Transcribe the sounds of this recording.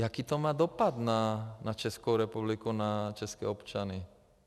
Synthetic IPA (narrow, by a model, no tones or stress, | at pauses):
jakiːt̪ɔmaːd̪ɔpad̪nanat͡ʃɛskuʊɾɛpublikunat͡ʃɛskɛ̰ːɔpt͡ʃani